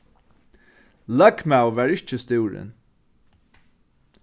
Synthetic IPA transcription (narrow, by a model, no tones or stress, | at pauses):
lœkmaʊʋæːɹɪt͡ʃəst̪ʉːɹə̰n